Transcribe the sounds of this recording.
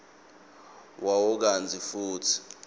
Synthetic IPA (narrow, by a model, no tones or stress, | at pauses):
wʔawɔk̬and͡zʱifuːtʰi̥